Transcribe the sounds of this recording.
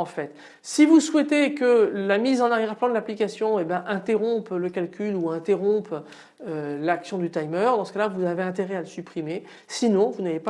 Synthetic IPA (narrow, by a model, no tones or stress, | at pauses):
ɑ̃fɛt̪ | sivuswɛt̪ekəlamizɑ̃naʁjɛʁplɑ̃d̪əlaplikasjɔ̃ebjɛ̃ʔɛ̃t̪eʁɔ̃pləkalkʲyluɛ̃t̪eʁɔ̃p | ølaksjɔ̃d̪yt̪ajmœʁd̪ɑ̃sə̥kalavuzaveɛ̃t̪eʁɛaləsypχime | sinɔ̃vunavep